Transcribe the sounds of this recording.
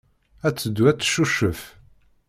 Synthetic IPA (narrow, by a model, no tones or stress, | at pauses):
æt͡sːəd̪ːwæt͡sːʃuʃːəf